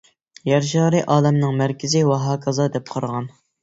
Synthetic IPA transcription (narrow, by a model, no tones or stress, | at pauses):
jæɾʃɑːɾɨʔɑːlɛmnɨŋmæɾkʲʰɪzɪwɑɦɑːkʰɑzɑd̪ɛp̚qʰɑɾʁɑn